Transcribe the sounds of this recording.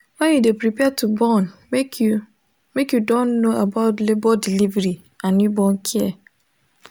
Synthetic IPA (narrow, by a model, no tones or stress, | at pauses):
wɛ̃njudepɾipʰɛtʰubɔn | k | mekjudɔ̃nːoabaʊtlebɔdilivɾi | ãnjibɔ̃nkʰiɛ